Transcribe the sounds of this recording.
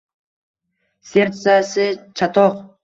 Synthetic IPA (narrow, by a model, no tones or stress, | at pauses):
sʲeɾt̪sasɪt͡ʃʰat̪ʰoq